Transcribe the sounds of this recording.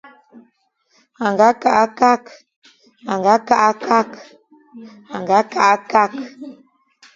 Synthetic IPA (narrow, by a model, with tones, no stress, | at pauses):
a˨ŋɡa˨˦ka˦˨ʔa˦ka˦k | a˨ŋɡa˦ka˦ʔa˦ka˦k | a˨ŋɡa˨˦ka˦ʔa˦ka˦k